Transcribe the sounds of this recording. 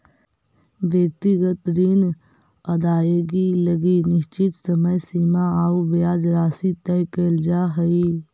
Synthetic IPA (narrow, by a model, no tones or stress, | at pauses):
ʋjək̚t̪ɪɡət̪ɾiːn | ɐd̪aːeːɡiləɡinɪʃt͡ʃɪt̪səməjsiːmaaːuʋjaːd͡ʒɾaːsit̪ɛjkeːld͡ʒaːɦəiː